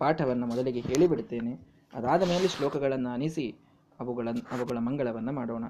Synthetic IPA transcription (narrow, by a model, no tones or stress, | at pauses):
paːʈʰɐʋɐnːɐmɔd̪ɐliɡeɦe̞ːɭibiɽt̪ːe̞ːne | ɐ̰d̪aːd̪ɐme̞ːleʂloːkɐɡɐɭɐnːɐɐnisi | ɐʋuɡɐɭɐnɐʋuɡɐɭɐmɐŋɡɐɭɐʋɐnːɐmaːɽoːɳɐ